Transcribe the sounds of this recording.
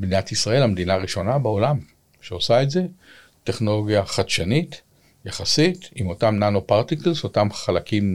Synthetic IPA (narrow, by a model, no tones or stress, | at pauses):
bniatisʁae̞lamed̪inaːʁiʃo̞nabeo̞lam | ʃeosaetze̞ | te̞χno̞lo̞ɡjaχadʃanit | jaχasitimo̞tamnanopaʁt̪iklso̞tamχalakim